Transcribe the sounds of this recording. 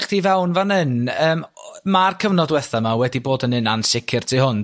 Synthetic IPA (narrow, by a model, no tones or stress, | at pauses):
χd̥ivɛwnvanɪnəːm | markʰəvnɔdwɛθamawɛdiboːdənɪnansɪkʰɪrtʰihʊn